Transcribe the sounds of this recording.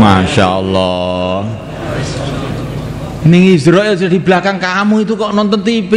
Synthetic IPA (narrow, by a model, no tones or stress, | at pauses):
maʃa̰ɔlːɔ | nɪŋizɾɔʔjɔsd̪̥i̤blahkankamuit̪ukɔʔnɔnt̪ɔnt̪ipi